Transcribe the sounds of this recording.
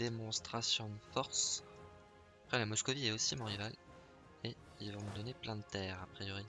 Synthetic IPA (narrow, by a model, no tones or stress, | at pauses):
d̪emɔ̃st̪χasjɔ̃d̪əfɔʁs | pχɛlamɔskɔviɛosimɔ̃ʁival | e | ilvɔ̃məd̪ɔneplɛ̃d̪ət̪ɛːʁapχijɔʁi